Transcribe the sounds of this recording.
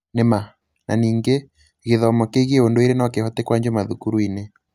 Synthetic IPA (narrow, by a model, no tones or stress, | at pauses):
nema | na̰niːŋɡe | ɣeðɔmɔkeɣieondoeɾenaɔkehɔtɛkwaɲd͡ʒomaðukuɾuine